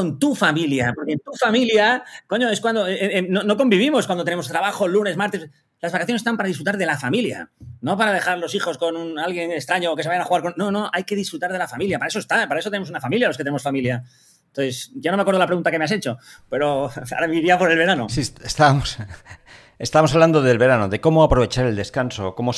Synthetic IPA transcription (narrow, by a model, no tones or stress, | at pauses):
ont̪ufamiljapo̞ɾkent̪ufamiljako̞ɲo̞e̞skwand̪onono̞k̬o̞mbiβ̞imoskwand̪ot̪enemost̪ɾaβaxo̞lune̞smaɾt̪e | lazβakaθjonst̪ampaɾaðisfɾut̪aɾðe̞lafamilja̰no̞paɾaðe̞xaɾlo̞sixo̞sko̞nunalɣje̞ŋest̪ɾaɲoːkes̬e̞ajanaxuɣaɾkonno̞no̞ʔajke̞ðisfɾut̪aɾðe̞lafamiljapaɾaesoest̪apaɾaesot̪enemosunafamiljalo̞sket̪eemofamilja | t̪oθesɟ͡ʝanomakweðlapɾɣunt̪akemease̞t͡ʃo̞pe̞ɾo̞a̰ɾamiiɾiapo̞ɾe̞lβe̞ɾanosisest̪amos | est̪aβmos̬aβland̪oðe̞lβe̞ɾanoðe̞ko̞moapɾo̞β̞e̞t͡ʃaɾe̞ld̪e̞skansokomo